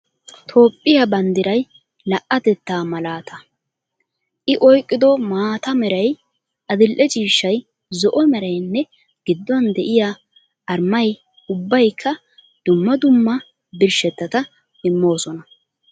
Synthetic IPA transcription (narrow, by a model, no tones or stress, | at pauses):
t̪ʰo̞ːpʼːɪjɐbɐnd̪ɪɾɐj | lɐʔʔɐt̪ɛt̪ːaːmɐlaːt̪ʰɐ | ʔɪʔɔjkʼːɪd̪ɔmaːt̪ɐmɛɾɐj | ʔɐd̪ɪlʔɛt͡ʃʼiːʃːɐj | zɔʔɔmɛɾɐjnːɛ | ɡ̥ɪd̪ːʊɐnd̪ɛʔɪja | ʔɐɾmɐj | ʊbːɐjkʰːɐ | d̪̥ʊmːɐd̪ʊmːɐ | bɪɾʃɛt̪ːɐt̪ɐ | ɪmːo̞ːsɔnɐ